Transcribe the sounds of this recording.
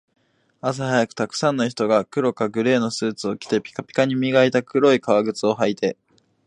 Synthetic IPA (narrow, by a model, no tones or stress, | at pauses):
as̬ahajakɯ̟̥t̪akɯ̟̥sãnːoçi̥t̪o̞ɡakɯ̟ɾo̞kaɡɯ̟ɾe̞ːno̞sɨːt͡sɨo̞kʲi̥t̪e̞pʲi̥kapʲi̥kaɲ̟imʲiɡait̪akɯ̟ɾo̞ikaβaɡɯ̟t͡sɨo̞ɦait̪e̞